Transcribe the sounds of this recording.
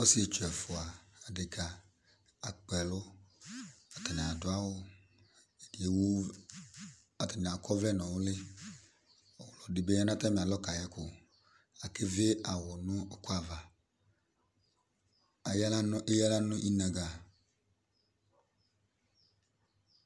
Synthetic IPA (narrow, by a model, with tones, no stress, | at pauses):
o˦si˦e˨t͡ʃu˨ɛ˨fʊ˨a˨a˨dɪ˨kʰa˨ | a˨k͡pɛ˨lʊ˦ | a˨ta˨nɪ˨a˨dʊ˨a˦wʊ˦˨ | e˨w | a˨ta˨n˨a˨kʰɔ˦vlɛ˦nɔ̃˨wʊ˦lɪ˦ | ɔ˨wlɔ˨dɪ˨be˦ɲa˦nã˦ta˦mi˨a˨lɔ˦ka˨jɛ˦kʰʊ˨ | a˨kɪ˦vɪ˦ʔa˨wɔ˨nʊ˦kʊ˦a˨va˨ | a˨ja˦la˦n˦ɪ˦ja˦la˦nʊ̃˦ʔi˦nã˨ɡa˨